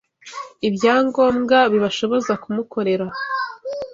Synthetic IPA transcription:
ibjaːŋɡo̞ːmɡaβiβaʃo̞βo̞zakumuko̞ɾe̞ɾa

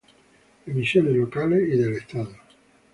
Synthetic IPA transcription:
emisːjoːnelokaleed̪elest̪aːd̪o

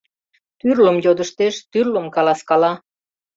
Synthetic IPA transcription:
t̪yrləmjod̪əʃt̪eʃt̪yrləmkɑlɑskɑlɑ

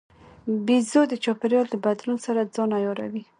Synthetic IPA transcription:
bizod̪ət͡ʃɔpɪɾjɑld̪əbad̪lunsaɾad͡zɑnajɔɾa̰wi

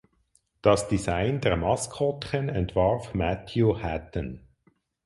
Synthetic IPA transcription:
d̥ɑsd̥isaɪndɛʁmɑskʰɔtχənɛntvɑɾfmætʰjuhætən

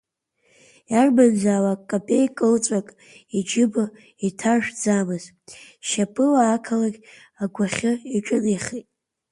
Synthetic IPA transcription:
jarband͡zaːlakkʼːapʼejkʼɨlt͡sʷʼakʼ | id͡ʒɪba | itʰaʒᶣd͡zamɨz | ʃapʰʼɨlaːkʰalaɡʲ | aɡʷaχʲɨiʈ͡ʂʷʼʊnejχetʼ

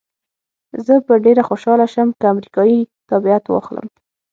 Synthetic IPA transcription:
zəpəɖeɾaxoʃɑlaʃəmkəamɾikɑjit̪abiat̪wɑ̰xlə̰m

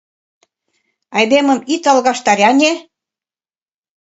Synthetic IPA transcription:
ɑjd̪emə̆mit̪ɑlɣɑʃt̪ɑɾʲɑnʲe

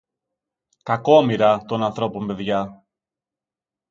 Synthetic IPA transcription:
kɐko̞miɾɐt̪o̞nɐnθɾo̞po̞mpe̞ðʝɐ

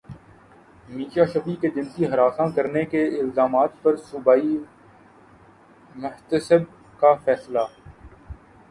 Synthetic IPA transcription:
miːʃaːʃɐfiked͡ʒɪnsiɦɐɾaːsãkɐɾnekeɪlzaːmaːt̪pɐɾsʊbaːi | mʊɦt̪əsəb̚ | kafɛːslaː

